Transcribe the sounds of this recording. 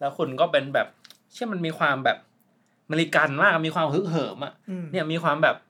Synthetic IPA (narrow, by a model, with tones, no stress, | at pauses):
lɛ˦˥wkʰu˧nkɔː˥˩pe˧nbɛː˨˩p̚ | t͡ɕʰi˥˩ma˧nmiː˧kʰwaː˧mbɛː˨˩p̚ | meː˧li˧ka˧nmaː˥˩k̚a˨˩miː˧kwaː˧mhɯ˦˥k̚ɦɤː˩˦mʔa˨˩ʔni˥˩miː˧xʰwaː˧mbɛː˨˩p̚